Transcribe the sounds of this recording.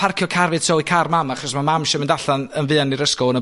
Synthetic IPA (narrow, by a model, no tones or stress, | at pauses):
pʰarkʰjɔkʰarvɨ̥tʰɔwɨkʰarmamaχɔsmamamʃɔmɪndaɬanənvɨːaniɾəskɔnə